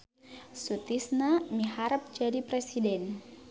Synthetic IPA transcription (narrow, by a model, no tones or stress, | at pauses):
sut̪isnamiɦaɾəp̚d͡ʒadipɾesidɛn